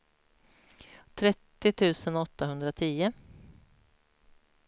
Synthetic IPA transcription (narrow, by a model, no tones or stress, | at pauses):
t̪ʰɾɛt̪ːɪt̪ʰʉ̟ːsənɔt̪ːaɦɵnd̪ɾat̪ʰiːʊ